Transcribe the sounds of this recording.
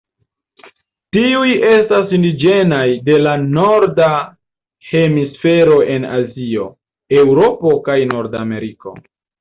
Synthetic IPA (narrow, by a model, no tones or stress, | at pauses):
tiuje̞stasindid͡ʒe̞najde̞lano̞ɾda | he̞misfe̞ɾo̞ʔe̞na̰zio̞ | e̞wɾo̞po̞kajnoɾdame̞ɾiko̞̰